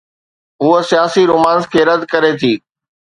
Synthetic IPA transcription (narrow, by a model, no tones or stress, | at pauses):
ɦuɦəsijaːsiɾʊːmaːnskʰeːɾəd̪kɐɾet̪ʰiː